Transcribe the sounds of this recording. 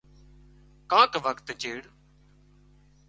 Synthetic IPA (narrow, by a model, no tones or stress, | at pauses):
kãːkʋəkt̪d͡ʒeːɽ